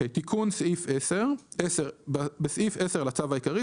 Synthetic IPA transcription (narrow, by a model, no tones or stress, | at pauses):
ejt̪ikʰunsʔifʔeseʁʔeseʁbesʔifese̞ʁalat͡savaikaʁi